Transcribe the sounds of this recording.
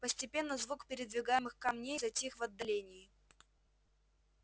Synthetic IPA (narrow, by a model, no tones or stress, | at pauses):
pəsʲtʲɪpʲe̞nːəzvukpʲɪɾʲɪd̪vʲɪɡajɪmɨxkɐmnʲejzɐtʲixvɐd̪ːɐlʲenʲɪɪ